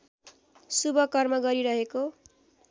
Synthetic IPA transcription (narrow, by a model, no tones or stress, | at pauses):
subʌkʌrmʌɡʌɾiɾʌɦeko